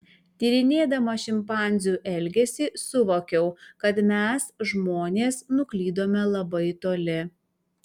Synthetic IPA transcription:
t̪ʲiːɾʲɪnʲeːd̪ɐmɐʃʲɪmpɑˑnʲzʲuːʔɛlʲɡʲɛsʲɪsʊʋoːkʲɛʊkɐt̪mʲɛsʒmoːnʲeːsnʊklʲiːd̪oːmʲɛlˠɐbɐɪt̪oːlʲɪ

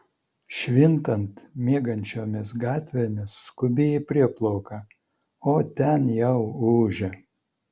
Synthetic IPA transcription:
ʃʲʋʲɪnt̪ɐnt̪mʲiɛɡɐnʲt͡ʃʲoːmʲɪs̬ɡɑːt̪ʲʋʲeːmʲɪsːkʊbʲeːɛpʲɾʲiɛplˠɔʊkɐ | oːt̪ʲɛnjɛʊuːʒʲɛ

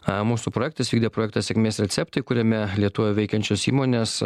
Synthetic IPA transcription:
muːsuːpɾoːjɛkt̪ɐsʋʲiɡd̪ʲepɾoːjɛkt̪ɐsʲɛkʲmʲeːsɾʲɛt̪sʲɛp̚t̪ɐɪkʊɾʲɛmʲɛlʲiɛt̪ʊʋʲɛʋʲɛɪkʲɛnʲt͡ʃʲosḭːmoːnʲeːs

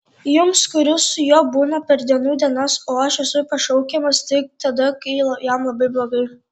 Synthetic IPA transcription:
jʊmskʊɾʲʊsʊjoːbuːnɐpʲɛɾd̪ʲiɛnuːd̪ʲiɛnɐsoːɐʃɛsʊpɐʃɐʊkʲɛmɐst̪ʲɪɪk̚t̪ɐd̪ɐkɐɪlˠɐjɛmlˠɐbɐɪblˠoːɡɐɪ

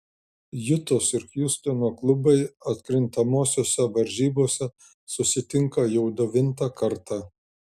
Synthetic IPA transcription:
jʊt̪oːsɪɾkjʲʊsʲt̪ʲɪnoːklˠʊbɐɪɐt̪ʲkɾʲɪnt̪ɐmoːsʲoːsʲɛʋɐɾʲʒʲiːboːsʲɛ | sʊsʲɪt̪ʲɪŋkɐjɛʊd̪oʋʲɪnt̪ɑkɐɾt̪ɑ

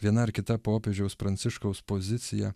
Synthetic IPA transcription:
ʋʲiɛnɐɪɾkʲɪt̪ɐpoːpʲeːd͡ʒʲɛʊspɾɐnt̪sʲɪʃkɐʊspozʲɪt̪sʲɪjɛ̰

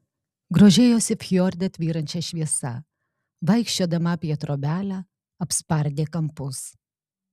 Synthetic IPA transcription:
ɡɾoːʒʲeːjoːsʲɪfʲjoːɾʲd̪ʲɛt̪ʲʋʲiːɾɐnʲt͡ʃʲɛʃʲʋʲiɛsɐ | ʋɐɪkʃʲt͡ʃʲod̪ɐmɐpʲiɛt̪ɾoːbʲæːlʲæ | ɐpspɐɾʲd̪ʲeːkɐmpʊs

